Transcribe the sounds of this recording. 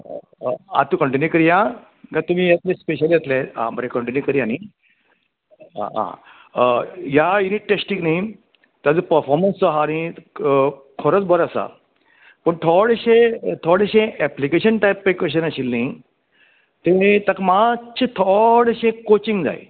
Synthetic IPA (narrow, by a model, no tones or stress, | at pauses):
a̰t̪ukəɳʈinjukəɾijã | ɡãt̪um̤ijat̪lẽspeɕalijet̪leã̰bəɾekəɳʈinjukəɾiani | ã̰ã̰ | jajuniʈ̚ʈːesʈĩŋknai | t̪jad͡zəpəɾfɔɾmənsɔɦaːñi | kʰɔɾət͡sbɔɾasa̰ | pəɳt̪ʰɔɽɕet̪ʰɔɽeɕẽɛplikeɕənʈajpːpekeɕ̬ənaɕilni | t̪et̪akmat͡ɕʰet̪ʰɔɽɕẽkot͡ɕiŋɡd͡za̰j̰